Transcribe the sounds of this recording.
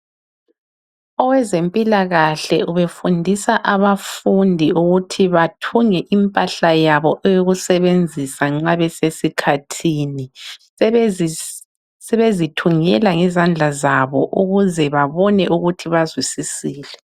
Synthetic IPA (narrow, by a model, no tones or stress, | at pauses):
ɔwɛzempʼilaɣaɬɛuβefundʱisaʔaβafundʱiuɣutʰiβatʰuŋɛʔimpʼaɬajaβɔʔɛjoɣusɛβend͡zʱisaŋ͡ǁaβɛsesikʰatʰiːni | sɛβezitʰuŋɛlaŋɛzand͡ɮʱazaβɔʔuɣuzɛβaβɔnɛʔuɣutʰiβazwisisiːlɛ